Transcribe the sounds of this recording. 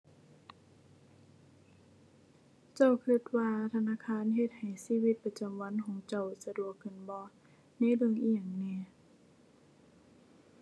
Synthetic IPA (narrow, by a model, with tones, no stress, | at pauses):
t͡ɕa˧˩˨wkʰɯ˧t̪̚waː˧t̪ʰa˧naː˧˨kʰaː˧˥˨nɦe˧t̪̚ha˨˩jsiː˧˨wi˧˦t̪̚pa˧t͡ɕa˨˩mwa˧˥˨nkʰɔː˨˦ŋt͡ɕa˧˩wsa˧du˧˨˩əkʰːɯ˧˩˨nbɔː˧˦ | na˧˥˨lɯ˧˩əŋʔi˧˨aː˨˩ŋnɛː˧˨